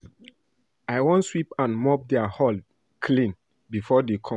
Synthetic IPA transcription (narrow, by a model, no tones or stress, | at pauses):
aɪwɔ̃nswipãnmɔp̚dɛahɔl | kʰlĩn | bifɔdekʰɔ̃